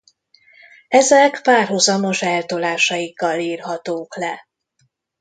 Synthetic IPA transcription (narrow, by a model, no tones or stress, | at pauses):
ɛzɛkpaːrɦozɒmo̞ʃɛlt̪olaːʃɒjikːɒliːrɦɒt̪oːklɛ